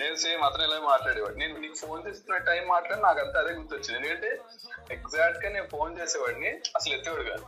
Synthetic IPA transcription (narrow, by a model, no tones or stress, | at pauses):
ne̞ːnuseːjɐmɐt̪ɾɐ̃mɛlaːmaːʈlaːɽɛːʋaːɽineːnuniːkupʰo̞ːnt͡ʃeːst̪unːɐʈɐjmːaːʈlaːɽinaːkɐnt̪aːd̪eːɡuɾt̪ːuot͡ʃːinend̪kɐɳʈe̞ː | eɡzaːk̚ʈɡaːne̞ːnupʰo̞ːnt͡ʃeːsɛːʋaːɽniɐsɐlet̪ːiʋɐːɽiɡa̰ːnu